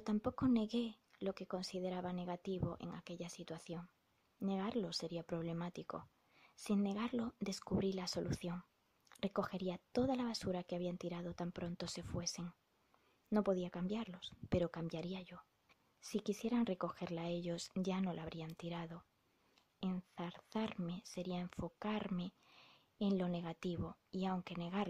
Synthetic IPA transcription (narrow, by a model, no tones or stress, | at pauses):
ot̪ampo̞ko̞ne̞ɣe̞lo̞ke̞ko̞nsið̞e̞ɾaβane̞ɣ̞at̪iβo̞ʔe̞̰ŋa̰ke̞ʎasit̪waθjo̞ŋ | ne̞ɣaɾlo̞se̞ɾiapɾo̞β̞le̞mat̪iko̞̰ | sinne̞ɣ̞aɾlo̞d̪e̞skuβɾilaso̞luθjo̞ŋ | re̞ko̞xe̞ɾiat̪o̞ðalaβ̞asuɾakeaβ̞iant̪iɾað̞o̞t̪ampɾõ̞nt̪o̞se̞fwe̞seŋ | no̞po̞ð̞iakambjaɾlo̞spe̞ɾo̞kambjaɾiaʝo̞ | sikisje̞ɾaŋre̞ko̞xe̞ɾlae̞ʎo̞sʝano̞lʔaβ̞ɾiant̪iɾaðo̞ | e̞nθaɾθaɾme̞se̞ɾiaeɱfo̞kaɾme̞ː | nlo̞ne̞ɣ̞at̪iβo̞ | iawŋke̞ne̞ɣ̞aɾ